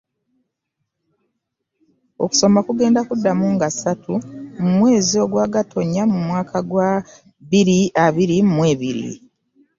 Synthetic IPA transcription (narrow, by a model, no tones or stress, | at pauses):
o̞ku̥so̞makuɡe̞ːndakudːamuŋɡasatumumwe̞ːzio̞ɡwaːɡatʰo̞ɲːamumwaːkʰaɡwa | βiɾiaβiɾimumwe̞ːβiɾḭ